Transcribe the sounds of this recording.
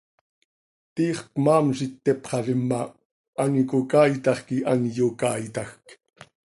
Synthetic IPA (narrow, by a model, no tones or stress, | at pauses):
t̪iːχkmaːmsit̪ːepχɑɾɪmːa | aŋkokaːjt̪ɑχkiʔanjokaːjt̪ɑxk